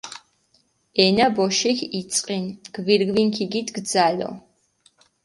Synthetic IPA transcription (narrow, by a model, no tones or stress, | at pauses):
ɛnabɔʃixit̪sʼqʼinɡ̥viɾɡvinkʰiɡit̪ʰɡd̪zalɔ̰